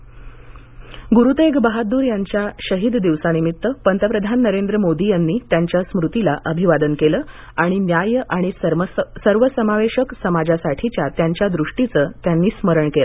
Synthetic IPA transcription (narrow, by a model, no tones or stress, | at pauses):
ɡuɾut̪eɡbaɦad̪uːɾjaɲt͡ɕjaɕəɦid̪d̪iʋsanimit̪ːəpənt̪əpɾəd̪ʱanːəɾend̪ɾəmod̪ijanːiːt̪jaɲt͡ɕjasmɾut̪ilaʔəbʱiʋad̪ənkeləː | aɽ̃injajʔaɽ̃issəɾʋəsəmaʋeɕəksəmad͡zasaʈʰit͡ɕjat̪jaɲt͡ɕjad̪ɾuʂʈit͡səːt̪janːiːsməɾəɳkelə